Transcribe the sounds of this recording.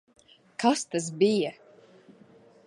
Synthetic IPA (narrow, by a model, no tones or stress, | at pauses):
kast̪as̬bija